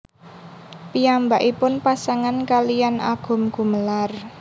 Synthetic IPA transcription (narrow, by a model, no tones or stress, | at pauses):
piambaʔipʊnpasaŋankalijanʔa̰ɡ̥ʊ̤mɡ̥ṳməlar